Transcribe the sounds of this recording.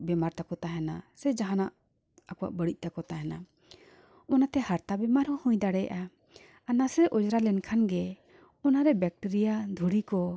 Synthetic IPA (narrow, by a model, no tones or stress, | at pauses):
bɛmaɾt̪akɔt̪aɦɛnasɛd͡ʒaɦanaʔ | akɔwa̰ʔbəɽic̚ˀt̪akɔt̪aɦɛna | ɔnat̪ɛhaɾt̪abɛmaɾhɔ̃hũjd̪aɽɛja̰ʔa | anasɾɛʔɔd͡ʒɾalɛnkʰanɡɛ | ɔnaɾɛbɛk̚ʈiɾijad̪ʱuɽikɔ